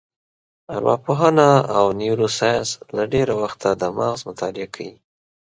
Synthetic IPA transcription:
aɾwɑ̰poɦanaawniwɾosajslaɖeɾawaxt̪ad̪əmaɣzmʊt̪ʰɑlɪakʰawi

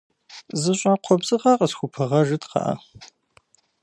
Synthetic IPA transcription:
zɨɕʼaːqʷʰɔbzɨqɑqʼəsxʷʊpʰɨʁɐʒɨtqɑ̰ʔa̰

